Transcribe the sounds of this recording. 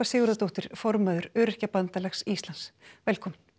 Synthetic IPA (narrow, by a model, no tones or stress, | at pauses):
asɪːɣʏɾat̪owht̪ɪɾ̥fɔɾmaðʏɾœːɾɪhcapant̪alɛxsist̪lansvɛlkʰɔːmɪn̥